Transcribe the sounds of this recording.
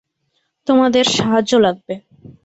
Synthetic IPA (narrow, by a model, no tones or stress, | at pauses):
t̪omad̪eɾʃaɦaʑolaɡ̚be